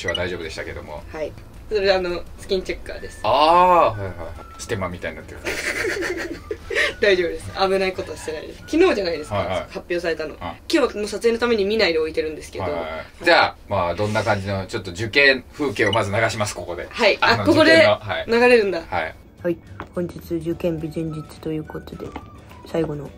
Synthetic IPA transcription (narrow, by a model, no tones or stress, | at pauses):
ɕiβad̪aiʑo̞ːbɯ̟d̪e̞ɕit̪ake̞d̪o̞̰mo̞̰hai | soɾe̞d̪eano̞sɨ̥kʲĩɲt͡ɕekːa̰ːd̪e̞sɨ̥aːhaihaihait͡ɕi̥t̪e̞mamʲit̪aiɲinat̪ːek | d̪aiʑo̞ːbɯd̪esɨaβɯ̟naiko̞t̪o̞aɕi̥t̪e̞naḭd̪esɨ̥kʲino̞ːʑanaid̪e̞sɨkaahapʲːjo̞ːsaɾe̞t̪ano̞̰kʲo̞ːβakonosat͡sɨeno̞t̪ame̞ɲ̟imʲinaid̪e̞o̞it̪e̞ɾɯ̟̃nd̪e̞sɨ̥ke̞daoha̰d͡ʑaːmad̪õ̞nːakãɲ̟d͡ʑino̞t͡ɕo̞t̪ːo̞d͡ʑɨkẽɰɸɯ̟ːkeːo̞mazɨnaɡaɕimasɨ̥ko̞ko̞d̪e̞̰haiankoko̞d̪eohainaɡaɾe̞ɾɯ̟̃nd̪aha̰i | haihõ̞ɲ̟d͡ʑit͡sɨd͡ʑɨkẽmbʲizẽ̞ɲd͡ʑit͡sɨ̥t̪o̞jɯ̟ːko̞t̪o̞d̪e̞̰ | saiɡo̞no̞